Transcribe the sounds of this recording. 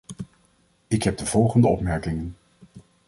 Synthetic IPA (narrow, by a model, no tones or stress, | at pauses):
ɪkɦɛb̚dəvɔlˠχəndəɔpmɛɹkɪŋən